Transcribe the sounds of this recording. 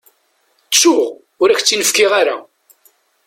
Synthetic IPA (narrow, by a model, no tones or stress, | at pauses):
t͡sːʊʁ | ʊɾæçt͡sːinəfkiʁaɾa